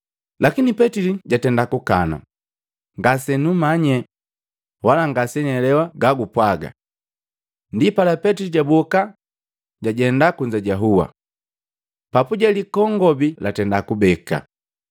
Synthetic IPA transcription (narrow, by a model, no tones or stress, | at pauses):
lakinipɛtiliɟatɛndakukana̰ | ŋɡasɛnumaɲɛ | walaŋɡasɛɲɛlɛwaɡaɡupwaɡa̰ | ndipalapɛtiliɟabɔka | ɟaɟɛndakuɲd͡ʒaɟaɦuwa̰ | papuɟalikɔŋɡɔbilatɛndakubɛka̰